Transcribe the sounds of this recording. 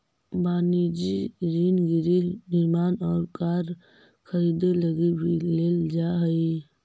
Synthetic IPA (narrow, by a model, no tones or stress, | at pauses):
baːnid͡ʒiɾiːnɡiɾinɪɾmaːnɔːɾkaːɾ | kʰəɾiːd̪eləɡibʱileːld͡ʒaɦəi